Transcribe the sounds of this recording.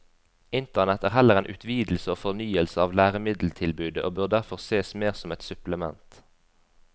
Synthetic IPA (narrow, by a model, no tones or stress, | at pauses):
ɪnt̪əʁnɛt̪æːʁhɛləʁeːnʔʉt̪ʰʋiːd̪l̩səoːfɔʁnyːəlsəɑːʋlæːʁəmɪd̪l̩t̪ʰɪlbʉːd̪əʔoːbøːʁd̪æʁfɔʁseːsmeːʁsɔmɛt̪sʉpləmɛ̰nt̪